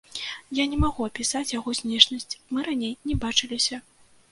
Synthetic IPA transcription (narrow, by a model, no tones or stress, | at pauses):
janʲɛmaɣuɐpʲisat͡sʲjaɣɔsʲnʲɛʂnɐsʲt͡sʲmɨɾanʲejnʲɛbat͡ʂɨlʲisʲɐ